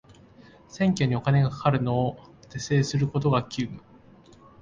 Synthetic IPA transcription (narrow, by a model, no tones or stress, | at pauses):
sẽ̞ŋkʲo̞ɲ̟io̞kane̞ɡakḁkaɾɯ̟no̞ːt̪e̞se̞ːsɨɾɯ̟ko̞t̪o̞ɡakʲʰɨːɯ